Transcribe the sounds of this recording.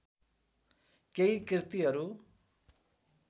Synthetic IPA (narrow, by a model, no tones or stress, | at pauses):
keikrit̪iɦʌɾu